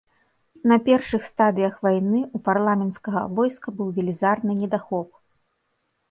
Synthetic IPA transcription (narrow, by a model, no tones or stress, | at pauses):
nɐpʲɛrʂɨxst̪ad̪ɨjɐxvajnɨuparlˠamʲɛnt̪skɐɣɐ̰vɔjskɐbɨwvʲɛlʲizarnɨnʲɛd̪axɔp